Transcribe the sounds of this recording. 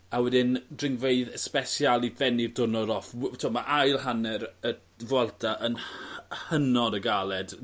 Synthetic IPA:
awɛdɪndrɪŋveɨðəspɛsjalˠivɛnidʊnɔɾɔftʰoːmaʔajlˠhanɛɾə | vwɛlˠtʰaʔənhənɔdəɡalˠɛd̥

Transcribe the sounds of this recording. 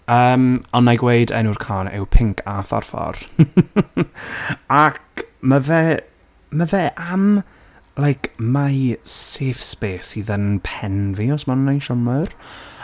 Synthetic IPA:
əːmɔnːajɡwejdɛ̰nuːrkʰɔːnɪ̰wpʰɪŋkʰafɔ̰rfɔ̰r | akmavɛː | mavɛːʔam | lajkʰmaseːfspeːsiðənpʰɛnviɔsmannajʃɔnmar

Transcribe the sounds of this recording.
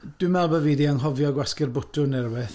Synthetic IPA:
d̥ɪmɛlˠbəviːdianɦɔvjɔɡwaskɪrbʊtʰʊnɛrwɪθ

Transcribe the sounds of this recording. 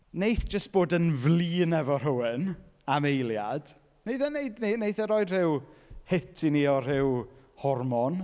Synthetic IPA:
nejθd͡ʒ̥əst̚b̥oːdənvliːnɛvɔr̥ʊwɪnamejlja̰d̥ | nejθənejdninejθəɾɔjdr̥ɪwhɪtʰiniɔr̥ɪwhɔrmɔn

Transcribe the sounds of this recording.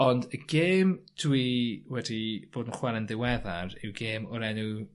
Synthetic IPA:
ɔndəɡ̥eːmd̥wiwɛdib̥oːdənχwɛɾəndɪwɛðarɪwɡeːmɔɾɛnu

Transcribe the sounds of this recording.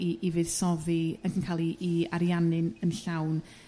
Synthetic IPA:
iʔivɨð̥sɔðiənkʰənkʰaːlˠiʔːaɾjanɨnənɬawn

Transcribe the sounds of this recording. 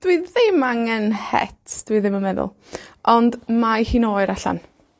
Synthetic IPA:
d̥wiðɪmaŋɛnhɛ̰tʰd̥wiːðɪməmɛðʊ̰lˠ | ʔɔndmajhinoːɨɾaɬa̰n

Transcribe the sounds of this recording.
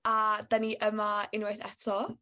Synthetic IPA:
ad̥̪aniʔəmaɪnwajθɛtʰɔ

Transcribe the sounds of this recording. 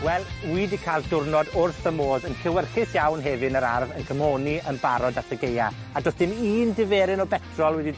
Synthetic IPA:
wɛlˠwiːdikʰalˠdʊrnɔdʊrθəmoːðənkʰɪwɛrχɪsjawnɦɛvɨnəɾa̰rvənkʰəmoːniənbaɾɔdatʰəɡeja | adosd̥ɪniːndɪvɛːɾɪnɔbɛtʰrɔlˠwɛdi

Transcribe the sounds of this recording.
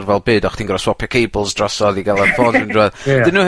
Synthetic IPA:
rvɛlˠbɨːdɔχd̥ʰiːnɡrɔswɔpʰjɔkʰejbəlˠsdrɔsɔðiɡɛlˠanfɔnəndruɛðd̥ɨnuː

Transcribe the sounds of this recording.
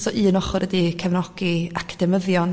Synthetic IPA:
sɔʔɨːnɔχɔɾʔədikʰɛvnɔɡ̥iakʰd̥ɛməðjɔn

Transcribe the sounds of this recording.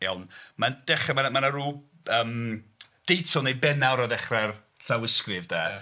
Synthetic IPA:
ɛlˠnmand̥ɛχɛmanmanaɾuː | əːmd̥ejtʰɔnejbɛnawɾɔðɛχrɛr | ɬawɪskrɪvdɛː

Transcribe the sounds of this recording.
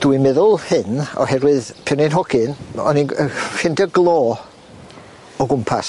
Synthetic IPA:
d̥wimɛðʊlˠhɨnɔ̰hɛɾwɨðpʰɛwnɪnɦɔɡɨnɔ̰ninəfɪndəɡlˠɔː | ɔɡʊmpʰa̰s

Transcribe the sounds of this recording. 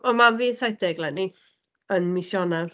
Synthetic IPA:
ɔmanviːsajθd̥ɛɡlˠɛni | ənmɪsjɔnar

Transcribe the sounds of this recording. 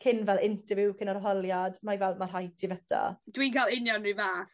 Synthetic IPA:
kʰɪnvɛlˠɪntəvuwkʰɪnaɾɦɔlˠjadmajvɛlˠmarɦajtʰivətʰa̰d̥winkʰalɪnjɔnːɨvaːθ

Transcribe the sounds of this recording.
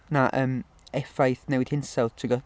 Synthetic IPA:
naʔəːm | ɛfajθnɛwɪd̥hɪnsɛlˠtʰəɡɔ

